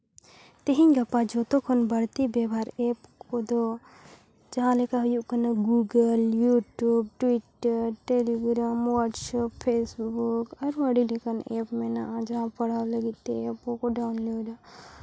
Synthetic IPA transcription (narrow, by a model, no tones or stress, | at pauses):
t̪eɦinɡɐpːad͡ʒot̪okʰonbɐɽt̪ibjebʱaːɾeːpkod̪o | d͡ʒɐɦãlekaɦjukɐnaɡuɡəljuːʈjuːb̚ʈwiʈːəɾʈeːliɡɾaːmwaʈsappʰːeːsbukɔɾməɽilekəneːpmẽnad͡ʒɐɦãpɐɽalɐɡit̪eepokoɖaʊnloːɖa